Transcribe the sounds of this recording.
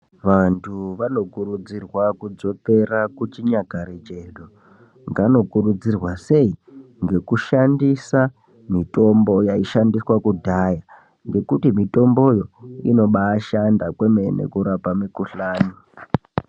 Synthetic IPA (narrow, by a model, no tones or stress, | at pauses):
ʋantʰuʋano̞kuɾud͡zirwakud͡zo̞te̞rakut͡ʃiɲaɡʱaɾet͡ʃeɗo | ŋɡano̞kuɾud͡zirwase̞i | ŋɡe̞kuʃandisa | mito̞mbo̞jaiʃandiswakudʱaja | ŋɡe̞kutimito̞mbo̞jo̞ino̞ɓaːʃandakwemenḛkuɾapamikuɬaːni